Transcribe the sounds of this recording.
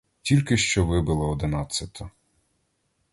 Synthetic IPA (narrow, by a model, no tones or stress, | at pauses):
tʲilʲkɪʃt͡ʃɔʋɪbɪlˠɐɔd̪ɪnɑt͡sʲːɐt̪ʰɐ